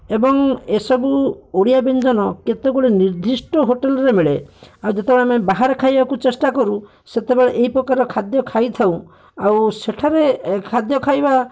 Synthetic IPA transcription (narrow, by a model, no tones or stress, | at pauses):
ebɔŋesɔbuoɽijabend͡ʒɔnɔket̪eɡuɭeniɾd̪ʱisʈɔɦoʈelɔɾemiɭeawd͡ʒet̪ebeɭemebaɦaɾɔkʰajbakut͡ʃesʈakɔɾu | set̪ebeɭeʔeɦipɾɔkaɾɔkʰad̪jɔkʰajt̪ʰaw̃ | awseʈʰaɾekʰad̪jɔkʰajba